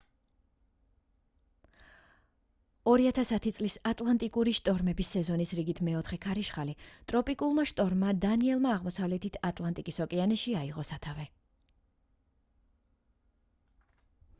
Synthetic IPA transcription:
ɔɾiat̪ʰasat̪ʰit̪sʼlisat̪ʼlˠant̪ʼikʼuɾiʃt̪ʼɔɾmɛbisːɛzɔnisɾiɡit̪ʰmɛɔt̪ʰχɛkʰaɾiʃχalit̪ʼɾɔpʼikʼulˠmaʃt̪ʼɔɾmːad̪aniɛlˠmaːʁmɔsavlɛt̪ʰit̪ʰat̪ʼlˠant̪ʼikʼisɔkʼɛanɛʃiaiʁɔsat̪ʰavɛ

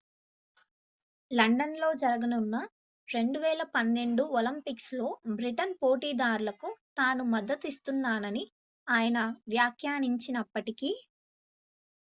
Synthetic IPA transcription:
lɐɳɖɐnlo̞ːd͡ʒɐɾɐɡɐnunːɐ | ɾe̞ɳɖuʋɛːlɐpɐnːe̞ɳɖuolɐmpikslo̞ːbɾiʈɐnpo̞ːʈiːd̪aːɾulɐkut̪aːnumɐd̪ːɐt̪ist̪unːaːnɐni | aːjɐnɐʋjaːkʰjaːniɲt͡ʃinɐpːɐʈikiː

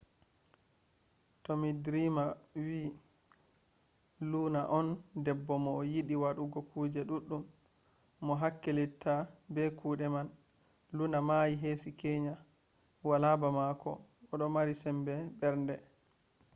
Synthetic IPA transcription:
tomidɾiːmawiː | lunaʔɔndɛbːɔmɔːjiɗiwaɗuɡɔkʰuːd͡ʒɛɗuɗːumː | ɔɦakːelitʰːabɛkʰuːɗɛman | lunamajiɦesikeɲa | walabamakɔ̰ɔɗɔmaɾisɛmbɛbɛɾndɛ

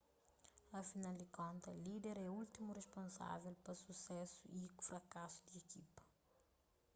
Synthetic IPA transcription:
ɐfinald̪ikõnt̪ɐlid̪ɛɾɛult̪imureʃpõnsa̰vɛlpɐsusɛsuʔifɾɐkasu̥d̪iekipɐ̥

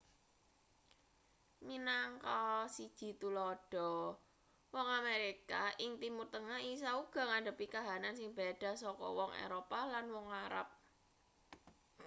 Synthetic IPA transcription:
minaŋkɔsid̥ʒ̥i̤t̪ulɔɖ̥ɔ̤ | wɔŋameɾikaɪŋt̪imurt̪əŋaɦis̬auɡ̥ɔ̤ŋaɖə̤pikaɦanansɪŋb̥aɖ̥a̤sɔkɔ̰wɔŋʔḛɾopalanwɔŋaɾa̰p̚

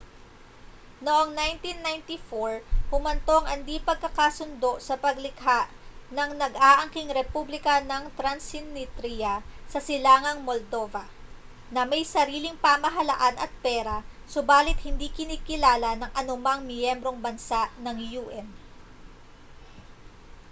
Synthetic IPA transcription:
noʔoŋnajnt̪inːajnt̪ifoɹhʊmɐnt̪o̞ɐŋʔɐnd̪ipɐɡ̚kɐkasʊnd̪o̞ʔsɐpɐɡlɪkhaʔ | nɐŋnɐɡʔaːʔɐŋkiŋɾɛpublɪkɐnɐŋt̪ɾɐnsɪnːɪt̪ɾijɐsɐsɪlaːŋɐŋmold̪o̞vɐ | nɐmɐjsɐɾiːlɪŋpamɐɦɐlɐ̰ʔanɐt̪̚pɛːɾɐsobaːlɪt̪̚hɪnd̪ikɪniːkɪlaːlɐnɐŋʔɐnʊmaŋmjɛmbɾo̞ŋbɐnsaʔnɐŋjuːʔɛn

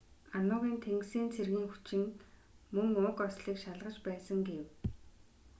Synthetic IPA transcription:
anʊːʁiːnt̪ʰeŋksiːnt͡sʰerɣiːŋxu̥t͡ɕɪ̆ŋ | mɵŋʊkɔsɮiːkʃaɮʁə̆t͡ɕpæːsə̆ŋɡew

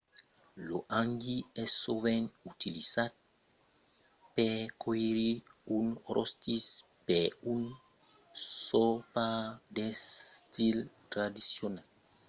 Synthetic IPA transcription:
loʔaŋɡiɛsoβenut̪ilisat̪̚ | pekʰoeɾiunɾost̪is | peun | sopad̪est̪ilt̪ɾad̪isjonal

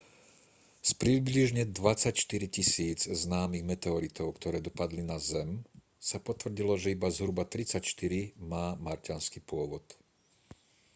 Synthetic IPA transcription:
spɾibliʒɲɛd̪ʋat͡sacʃt̪iɾicisiːd͡zznaːmiɣmɛt̪ɛɔɾit̪ɔʊkt̪ɔɾɛːd̪ɔpad̪linazɛm | sapɔt̪ʋr̩ɟilɔʒɛibazɦɾubat̪ɾit͡sacʃt̪iɾimaːmaɾcanskipʊɔʋɔt̪

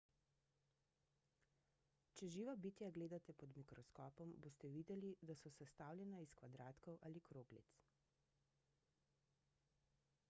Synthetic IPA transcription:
t͡ʃɛʒiːʋabit̪jaɡleːd̪at̪ɛpɔd̪mikɾɔskɔːpɔmboːst̪ɛʋiːd̪ɛlid̪asɔsɛst̪aːwlʲjɛnaiskʋad̪ɾaːt̪kɔwʔalikɾoːɡlḭt̪s

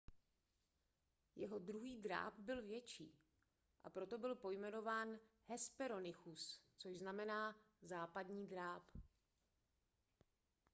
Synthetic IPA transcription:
jɛɦo̞dɾuɦiːdɾa̰ːpbɪlvjɛt͡ʃiː | ʔa̰pɾo̞t̪o̞bɪlpo̞jmɛno̞vaːnhɛspɛɾo̞nɪxust͡soʒznamɛnaː | zaːpadɲiːdɾaːp

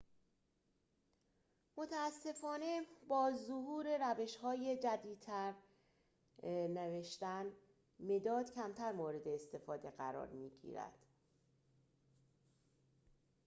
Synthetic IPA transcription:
mo̞t̪ʰæːsːe̞fɒːne̞bɒːzohuːɾe̞ɾæve̞ʃhɒːje̞d͡ʒæd̪iːd̪t̪ʰæɾ | neveʃt̪æn | me̞d̪ɒːd̪̥cʰæmt̪ʰæɾmoːɾe̞d̪e̞ːst̪e̞fɒːd̪e̞ɢæɾɒ̰ːɾmiːɟḭɾæ̰d̪̥

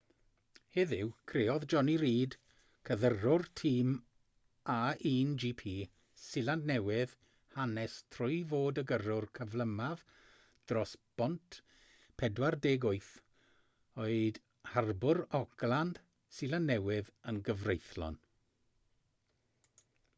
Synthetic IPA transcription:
hɛðɪwkʰreɔðd͡ʒɔniɾiːd | kʰəðərʊrtʰiːm | aiːnd͡ʒipʰiː | sɪlandnɛwɪð̥ | hanɛstʰrʊjvoːdəɡərʊrkʰəvlˠəmað | d̥rɔsb̥ɔntʰ | pʰɛdwardeːɡʊɨθ | oɨd | harbʊɾɔɡ̥lˠand̥ | sɪlˠandnɛwɪðənɡəvrejθlˠɔ̰n

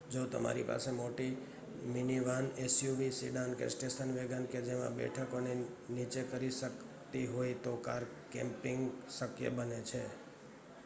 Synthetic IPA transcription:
d͡ʒot̪ə̰ma̰ɾḭpa̰semoʈi | miniʋanesjuʋisḭɖãnkḛsʈeʃənʋeɡənked͡ʒemã̰bɛ̰ʈʰəkone | nit͡ʃekəɾiʃək | t̪iɦojt̪okaɾ | kɛ̰̃mpɪ̃ŋɡsəkjə̰bənet͡ʃʰe

